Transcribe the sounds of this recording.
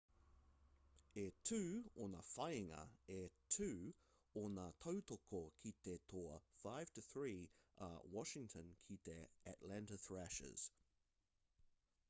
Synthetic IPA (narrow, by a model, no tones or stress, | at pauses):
ɛtʰʉːɔnəfaɪɪ̃ŋə̰ɛtʰʉː | ɔnat̪ʰoʊtʰokʰokʰit̪̚ɛtʰɔəfaɪv̥tʰəθɹiːʔa̰wɔʃɪ̃ŋtʰə̃nkʰitɛæʔlæ̃ntəθɹæʃɪ̰z̥